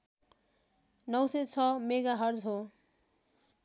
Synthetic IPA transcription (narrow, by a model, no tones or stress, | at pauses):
nʌwsʌt͡sʰʌmeɡaɦʌrd͡zɦo